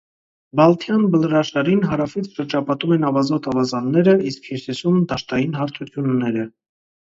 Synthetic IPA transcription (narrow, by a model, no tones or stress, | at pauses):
bɑlt̪ʰjɑnbəlɾɑʃɑɾinɦɑɾɑfit͡sʰʃəɾd͡ʒɑpɑt̪umɛnɑvɑzɔt̪ʰɑvɑzɑnːɛɾəiskhiɾsisumd̪ɑʃt̪ɑjinɦɑɾt̪ʰut̪ʰjunːɛɾə